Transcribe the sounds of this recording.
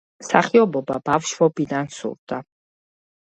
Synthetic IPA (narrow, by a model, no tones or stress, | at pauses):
saχiɔbɔbabafʃvɔbid̪ansṵɾd̪a